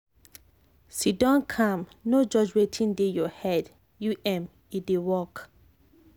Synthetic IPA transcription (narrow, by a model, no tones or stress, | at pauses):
sidɔ̃nkʰãmnod͡ʒɔd͡ʒɹetʰĩndejɔhɛd | juʔɛ̃m | idewɔk